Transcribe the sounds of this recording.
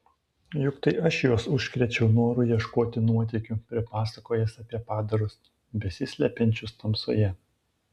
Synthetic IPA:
jʊkt̪ɐɪʔɐʃjoːsʊʃʲkɾʲɛt͡ʃʲɛʊnoːɾʊjiɛʃkoːt̪ʲɪnuɔt̪ʲɛɪkʲʊpʲɾʲɪpɑːsɐkoːjɛsɐpʲiɛpɑːd̪ɐɾʊs | bʲɛsʲɪsʲlʲɛpʲɛnʲt͡ʃʲʊst̪ɐmpso̰ːjɛ

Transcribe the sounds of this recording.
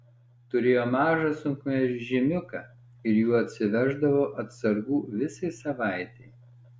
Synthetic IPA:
t̪ʊɾʲeːjoːmɑːʒɐsʊŋkmʲɛʒʲɪmʲʊkɐːˑ | ɪɾjuːɐt̪ʲsʲɪʋʲæʒd̪ɐʋoːʔɐt̪sɐɾɡuːʋʲɪsɐɪsɐʋɑˑɪt̪ʲɛɪ

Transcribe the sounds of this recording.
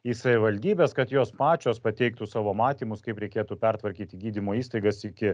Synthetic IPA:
iːsɐʋʲɪʋɐlʲd̪ʲiːbʲeːskɐt̪joːspɑːt͡ʃʲoːspɐt̪ʲɛɪk̚t̪usɑːʋoːmɑːt̪ʲiːmʊskɐɪpɾʲɛɪkʲeːt̪upʲɛrt̪ʋɐɾʲkʲiːt̪ʲɪɡʲiːd̪ʲimoːiːst̪ɐɪɡɐsɪkʲɪ

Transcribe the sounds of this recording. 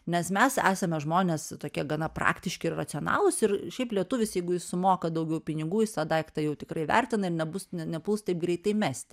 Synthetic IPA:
nʲɛsmʲɛsæ̰ːsɐmʲɛʒmoːnʲeːst̪oːkʲiɛɡɐnɐpɾrɑ̰ːkt̪ʲɪʃʲkʲɪɪrrɐt͡s̪ʲɪonɑ̰ːlˠʊsɪrʃʲɛɪplʲiɛt̪ʊʋʲɪsjɛɪɡʊjɪssʊmoːkɐd̪ɐʊɡʲɛʊpʲɪnʲɪɡuːjɪst̪ɐd̪ɐɪkt̪ɐɪjɛʊt̪ʲɪkɾɐɪʋʲæ̰rʲt̪ʲɪnɐɪrnʲɛbʊsnʲɛnʲɛpulˠst̪ɐɪp̚ɡɾʲɛɪt̪ɐɪmʲæːsʲt̪ʲɪ

